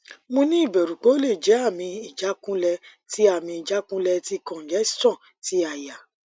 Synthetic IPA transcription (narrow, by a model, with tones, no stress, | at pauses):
mõ˧nĩ˦i˦˨bɛ˨ɾu˨k͡po˨˦le˦˨d͡ʒɛ˨˦a˦˨mĩ˧i˨d͡ʒa˨˦kũ˦lɛ˧ | ti˦a˦˨mĩ˧i˨d͡ʒa˨˦kũ˦lɛ˧ti˦kɔ̃˨d͡ʒɛ˨˦sɔ̃˦˨ | ti˦a˧˨ja˨